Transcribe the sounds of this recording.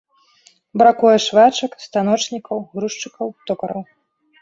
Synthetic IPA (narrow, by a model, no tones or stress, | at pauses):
bɾakujɛʂvat͡ʂɐkst̪anɔt͡ʂnʲikɐwɣɾuʂt͡ʂɨkɐwt̪ɔkɐɾɐw